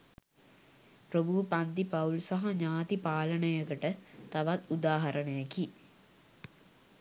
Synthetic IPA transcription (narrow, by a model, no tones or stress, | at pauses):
prəbʱupand̪ipɐulsaɦaɲaːt̪ipaːləɳəjəkəʈət̪aʋat̪ud̪aːɦɐɾəɳəjəki